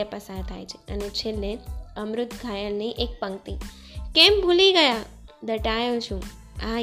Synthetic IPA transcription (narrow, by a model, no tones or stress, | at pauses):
epəsaɾt̪ʰajt͡ʃʰe̥ənet͡ʃʰelːeəmɾʊt̪ɡʱajəlniiʔek̚pəŋt̪i | kembʱuliɡəjad̪əʈajot͡ʃʰũ | a